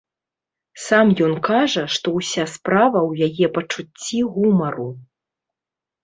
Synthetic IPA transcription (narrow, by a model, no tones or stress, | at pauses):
samjɔnkaʐɐʂt̪ɔwsʲaspɾavɐwjajɛpɐt͡ʂut͡sʲːiɣumɐɾu